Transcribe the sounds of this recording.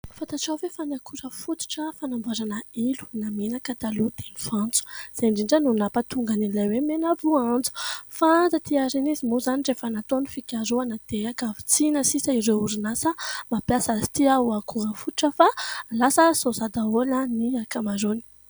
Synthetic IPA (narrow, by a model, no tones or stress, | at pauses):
fant̪aʈ͡ʂawvefanakʰuɾəfut̪u̥ʈ͡ʂəfanambuaɾanəilu̥naminakat̪alud̪̥enifãnt͡su̥z̥aɳɖ͡ʐiɳɖ͡ʐanunapat̪uŋɡanilajwemenavuand͡zu̥fand͡zat̪iaɾinizimozanirefanat̪onifikʲaɾuanad̪̥eakavi̥t͡sinəsisəiɾeuɾinasəmapjasazi̥t̪iauakʰuɾəfut̪uʈ͡ʂəfalasəsozad̪aoləniakamaɾoni̥